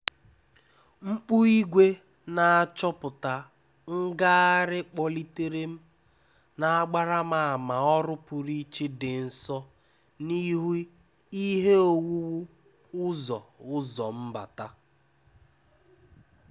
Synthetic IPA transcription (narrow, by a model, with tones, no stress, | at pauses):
ŋ͡m̩˦k͡pu˦i˦ɡʷe˦ | na˨a˨t͡ʃɔ˦pʊ˨ta˨ | ŋ̩˦ɡa˦a˦ɾɪ˦k͡pɔ˦li˦te˦ɾe˦m̩˦ | na˨a˦ɡ͡ba˦ɾa˦ma˨a˨ma˨ɔ˦ɾʊ˦pʊ˨ɾi˦t͡ʃe˦dɪ˨n̩˨sɔ˦ | ni˦ɦu˦ | i˦ɦe˦o˨wu˦wu˦ | ʊ˦zɔ̰˨ʊ˦zɔ˨m̩˦ba̰˨ta˦